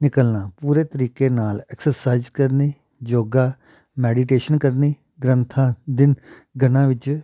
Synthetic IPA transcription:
nɪkəlnãːpuːɾeːt̪əɾiːkeːnaːlɛːksəɾsaːɪzkəɾniː | d͡ʒoːɡaː | mɛːɖiːʈeːʃənkəɾniː | ɡɾənt̪ʰãːd̪ɪn | ɡənãːʋɪt͡ʃ

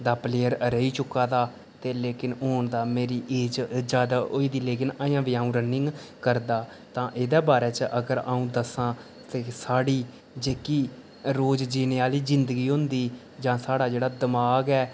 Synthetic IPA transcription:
d̪aːpleːjəɾɾəiːt͡ʃʊkːaːd̪aː | t̪eːleːkɪnɦoːɳd̪aːmeːɾiːʔeːd͡ʒd͡ʒjaːd̪aːoiːd̪iːleːkɪnaːjãːʋiːaːũːɾənɪ̃ŋɡkəɾd̪aː | t̪ãːʔɪːd̪eːbaːɾɛːt͡ʃəʔəɡəɾa̰ːũːd̪əsãː | t̪eːsaːɽiː | d͡ʒeːkiː | ɾoːd͡ʒd͡ʒiːneːaːliːd͡ʒɪnd̪əɡiːɦʊ̃nd̪iː | d͡ʒãːsaːɽaːd͡ʒeːɽaːd̪əmaːɡɛː

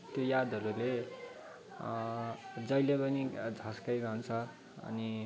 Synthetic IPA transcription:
t̪jojad̪ʱʌɾule | d͡zʌjlepʌnid͡zʱʌ̃skʌjɾʌɦnt͡sʰʌ | ʌ̰ni

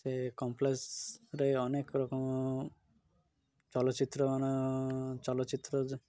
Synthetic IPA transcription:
sekɔmplesɾeɔnekɾɔkɔm | t͡ʃɔlɔt̪ːt͡ʃit̪ɾɔanɔt͡ʃɔlɔtːt͡ʃit̪ːɾɔ

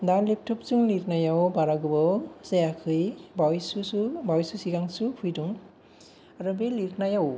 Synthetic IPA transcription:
dalep̚tʰɔp̚zuŋlitnajawbaɾaɡɯbɔsejakʰɯjbawjsusubawjsusiɡaŋsupʰujduŋ | aɾɔbeliknajaw

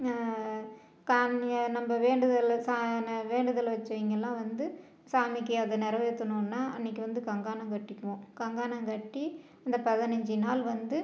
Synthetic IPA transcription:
kannɐmbɐʋeːɳɖɯðɐlsaːnʋeːɳɖɯðɐlʋɐt͡ʃːõɪŋɡɛlːãːʋɐnd̪ɯ | saːmɪkːɯɐðɐnɪɾɐʋɐt̪ːɯnːɯnːaːʔɪnːɪk̬ʲːɯʋɐnd̪ɯkɐŋɡaːnɐŋkɐʈːɪkːɐʋõkɐŋɡaːnɐŋkɐʈːi | ɐnd̪ɐpɐðɪnɐɲd͡ʒɯnaːlʋɐnd̪ɯ

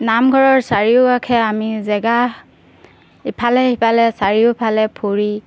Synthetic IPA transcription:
namɡʱɔɹɔɹsaɹiʊakʰɛamizɛɡa | ipʰalɛipʰalɛsaɹiʊpʰalɛpʰuɹi

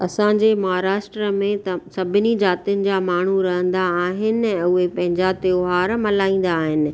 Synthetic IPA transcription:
ɐsãɲd͡ʑeːmɐɦaɾaːʃʈɾəmẽt̪ɐsɐbʱɪnid͡ʑaːt̪ijʊnɪ̆d͡ʑaːmaːɳ̤uɾɐɦə̃nd̪aːɦɪnɪ̆ɛ̃ːʊɦepɐ̃ɦɪ̃ɲd͡ʑat̪eoːɦaːɾmɐlaːĩːn̆d̪aːɦɪnɪ̆

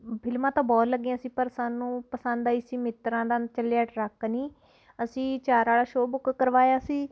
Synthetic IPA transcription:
bʰɪlmãːt̪ãːbɔːləɡeãːəsĩːpəɾsaːnũːpəsə̃nd̪aːiːsĩːmɪt̪ɾãːd̪ãːt͡ʃəljaːʈɾəknĩː | əsĩːt͡ʃaːɾaːɽaːʃoːbʊkkəɾʋaːjaːsĩː

